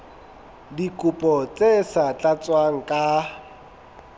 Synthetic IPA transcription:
dikʼupʼɔt͡sʼesat͡ɬʼat͡sʼwaŋ̩kʼa

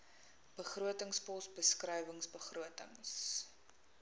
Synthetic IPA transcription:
b̥əχruətəŋspɔsbəskrəjvəŋsbəχruətə̰ŋs

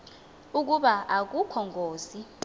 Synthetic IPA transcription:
uk̬uɓaʔak̬ukʰɔŋɡʱoːzi

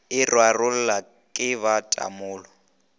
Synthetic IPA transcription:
ɪrwarʊl̩la | kʼɪβatʼa̰mʊːlɔ

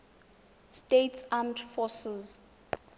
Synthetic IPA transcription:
stetsamdfɔsɛz

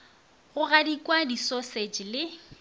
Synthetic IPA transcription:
ɣʊɣadikʼwadisosed͡ʒlɪ

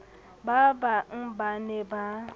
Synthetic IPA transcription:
babam̩baneba

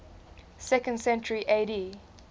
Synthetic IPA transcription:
sɛkə̃ndsɛ̃nt͡ʃəɹiʔeɾi

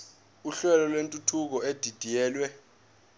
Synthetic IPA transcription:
uɬɛlɔlwentʼutʰuk̬ɔed̥ʱid̥ʱijɛːlwɛ

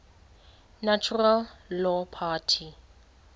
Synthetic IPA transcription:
nat͡ʃʰuralːɔpʰaːtʰi

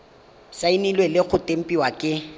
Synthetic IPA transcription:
sainilwelɪɣʊtʼem̩pʼiwakʼɪ

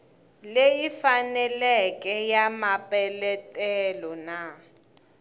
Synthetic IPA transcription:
lejifanɛlɛkʼɛjamapʼɛlɛtʼɛlɔna

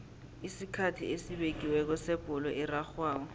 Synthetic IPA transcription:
isikʰatʰḭesibekʼiwɛk̬ɔseb̥ʱʼʊlɔʔɪraχwaːkɔ

